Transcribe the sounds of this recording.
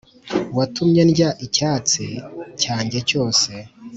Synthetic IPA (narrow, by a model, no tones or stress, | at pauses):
watʰumɲenɟaʔicaːt͡sicaːɲɟe̞co̞ːse̞